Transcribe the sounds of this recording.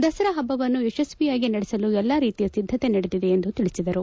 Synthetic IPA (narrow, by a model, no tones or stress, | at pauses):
d̪ɐsɐɾɐɦɐbːɐʋɐnːueʃɐsʋijaːɡinɐɽɛsɐluɛlːaːɾiːt̪ijɐsid̪ʱːɐt̪e̞nɐɽed̪id̪e̞ːnd̪ut̪iɭisid̪ɐɾu